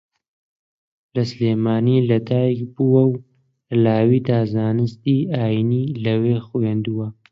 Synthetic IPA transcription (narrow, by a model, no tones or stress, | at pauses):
lɐsleːmaːniːlɐd̪aːjkbuwɐw | laːwiːd̪aːzaːnɨst̪iːaːjiniːlɐweːxujeːnd̪uwɐ